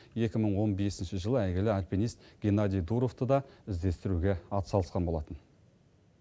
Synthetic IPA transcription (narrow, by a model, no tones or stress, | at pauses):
je̞kʲɪməɴwo̞nbe̞sɪnʃɪʒəlˠəæjɡʲɪlɪalʲpinijst̪ɡʲenɑd̪ʲijd̪uɾo̞ft̪əd̪ɑɪzd̪e̞st̪ɪɾuɡʲe̞ɑt̪sɑlˠəsqɑnbolˠɑt̪ən